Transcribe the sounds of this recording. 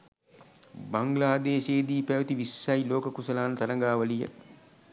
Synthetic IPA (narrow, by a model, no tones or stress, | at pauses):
baŋɡlaːd̪eːʃeːd̪iːpæʋət̪iʋisːɐjloːkəkusɐlaːnt̪ɐɾɐŋɡaːʋɐlijə̰